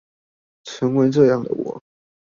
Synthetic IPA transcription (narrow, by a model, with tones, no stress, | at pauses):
ʈ͡ʂʰɤ˧˥ŋwe˧˥ʈ͡ʂɤ˥˧jɑ˥˩ŋd̪ə̰˨˩wɔ̰˨˩˦